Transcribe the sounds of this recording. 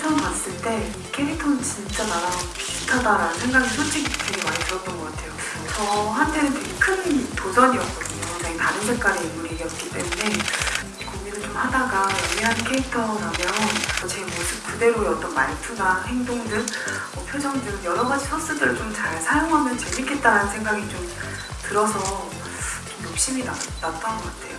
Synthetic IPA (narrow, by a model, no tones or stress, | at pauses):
tʰʌŋkas͈ɯɭt͈e̞ | kʰe̞ɾitʰʌnɯnt͡ɕint͡ɕ͈ananapistʰadaɾanɯnsʰe̞ŋɡaɡisʰod͡ʑʰiɡtʰeɡemanidɯɾʌt͈nɡʌk͈atʰe̞jo | t͡ɕʌɦantʰe̞nɯntweɡkʰɯntosʰʌɲiʌp̚s͈ʌs͈ɯjonaɡetaɾɯnsʰek͈aɾeimuɾeɡejʌt̚k͈it͈e̞mune̞ | koŋminɯɭt͡ɕomhadaɡaeliɦankʰeitʰʌɾamjʌnʰʌt͡ɕemosʰɯp̚kude̞ɾoeʌt͈ʌnmaɭtʰunahe̞ŋdoŋdɯn | ʌpʰjod͡ʑʌŋdɯŋjʌɾʌɡad͡ʑisʰʌs͈ɯdɯɭt͡ɕomt͡ɕaɭsʰajoŋɦamjʌnt͡ɕemik͈ʰe̞t̚t͈aɾanɯnsʰe̞ŋɡaɡit͡ɕom | tɯɾʌsʰʌ | t͡ɕomjok̚ɕ͈iminaat͈̚ʌnɡʌk͈atʰe̞jo